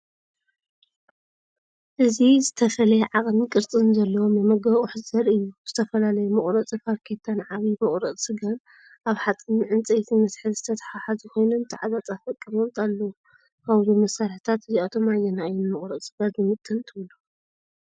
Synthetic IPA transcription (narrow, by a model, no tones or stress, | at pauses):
ʔɨzizɨt̪ʰɐfɐlɐjɛʕaqʼmikʼɨɾt͡sʼɨnzɐlːɐwomjɐmɐɡɐβʼʊħɨzɐɾɨjːuz̥ɨt̪ʰɐfɐlalɐjumɨχʼɾɐt͡sʼɨfaɾkʰet̪ʰanʕaβimɨχʼɾɐʔʼsʼɨɡan | ʔaβħat͡sʼɨniʕɨnt͡sʼɐjt̪ʰimɐsħɨzɨt̪ʰɐt̪ʰɐ̥ħaħazɨko̞jnunt̪ʰɨʕazat͡sʼafɐkʼːiβomt̪ʼalːɐwu | kʰaβzumɐsːaɾħt̪ʰat̪ɨziat̪ʰo̞majːɛnajɛnmɨχʼɾɐʔ̪sʼɨɡanzɨmɨt̪ʼʰːɨlt̪ʰɨβɨlu